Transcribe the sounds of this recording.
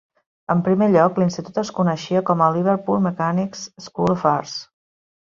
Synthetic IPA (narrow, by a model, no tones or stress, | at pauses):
əmpɾimeʎɔklinst̪it̪ut̪əskunəʃiəkɔməliβəɾpulˠməkaniksskulfaɾs